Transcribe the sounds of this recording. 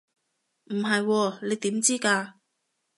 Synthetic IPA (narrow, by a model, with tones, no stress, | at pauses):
m̩˨˩ɦɐ˨jwɔː˧le˨˧jt̪iː˨˥mt͡siː˥kaː˧